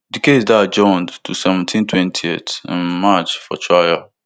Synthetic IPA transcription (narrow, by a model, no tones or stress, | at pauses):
dikʰezdad͡ʒɔ̃ndtʰusɛvə̃ntʰĩntʰwɛ̃ntʰietɪ̰̃nmat͡ʃfɔ̰tʰɹajəl